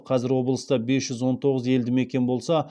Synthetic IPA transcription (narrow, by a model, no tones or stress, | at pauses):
qʰɑzɪɾwo̞blˠəst̪ɑbe̞sʒ̥ʏzwo̞nt̪ʰo̞ʁəze̞ld̪ɪme̞kʲe̞nbo̞lˠsɑ